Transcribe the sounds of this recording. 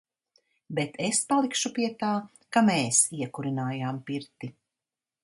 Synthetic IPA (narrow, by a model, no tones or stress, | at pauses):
bet̪espalˠikʃupiɛt̪aː | kameːsiɛkuɾinaːjaːmpiɾt̪i